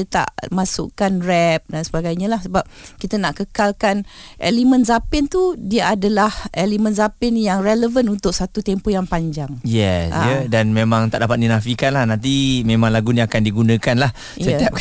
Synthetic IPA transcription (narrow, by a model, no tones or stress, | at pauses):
ət̪a̰ʔmasʊ̰ʔkanrɛp̚dansəbaɡajɲalahsəbap̚kit̪ənaʔkəkalkanʔḛlimə̃nzapɪnt̪udiəadalahʔelimə̃nzapɪnjaŋreləvənunt̪ʊk̚sat̪ut̪ɛmpojaŋpaɲd͡ʒaŋjɛsʔaədanmemãŋt̪a̰ʔdapat̪̚dinafikanlahnãnt̪̬imẽmãŋlaɡuniakandiɡunə̃kanlah | səiap̚